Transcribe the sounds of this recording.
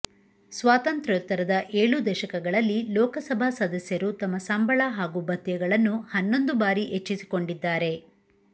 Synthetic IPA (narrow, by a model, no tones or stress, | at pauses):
sʋaːt̪ɐnt̪ɾɐt̪ːɐɾɐd̪ɐʔe̞ːɭud̪ɛʃɐkɐɡɐɭɐlːilɔːkɐsɐbʱaːsɐd̪ɐsjɐɾut̪ɐmːɐsɐmbɐɭaɦaːɡubʱɐt̪jɐɡɐɭɐnːuhɐnːo̞nd̪ubaːɾiʔet͡ʃːisi̥koɳɖid̪ːaːɾe̞